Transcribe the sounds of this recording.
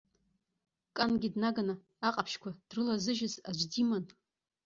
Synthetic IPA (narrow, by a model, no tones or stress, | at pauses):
kʼanɡʲidnaɡanaː | qʼapʰʃkʷʰad̥rɨlazɨʒɪza̰d͡ʒʷdiman